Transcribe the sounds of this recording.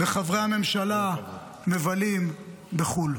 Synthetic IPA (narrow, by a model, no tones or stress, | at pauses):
beχavʁehame̞mʃala | mevalim | beχul